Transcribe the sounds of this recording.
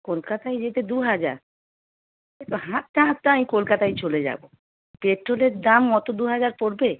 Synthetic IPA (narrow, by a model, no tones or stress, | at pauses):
kolkat̪ajd͡ʑet̪ed̪uɦad͡ʑa̰ɾ | et̪oɦat̪̚ʈaɦat̪ʈaamikolkat̪ajt͡ɕoled͡ʑa̰bo | peʈɾoleɾd̪amɡɔt̪od̪uɦad͡ʑaɾpoɾbe